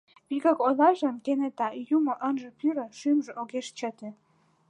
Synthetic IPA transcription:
piɣəkolɑʒənkenet̪ɑjumŏʔənʒə̆pyɾə̆ʃymʒeʔoɣeʃt͡ɕət̪e

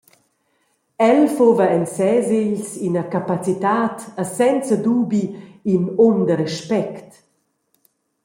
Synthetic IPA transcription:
ɛlfovəɛnsɛzeʎsinəkapat͡sit̪aːt̪əsɛnt͡səd̪uːbiinomd̪əɾɛʃpɛkt

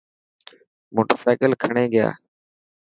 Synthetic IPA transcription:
moːʈəsaːɪkəlkʰəɳeːɠɪja̰ː

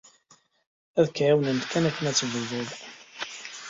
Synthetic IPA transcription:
æðkʕawnənt̪kænækːənæt͡sːəvəðʊð

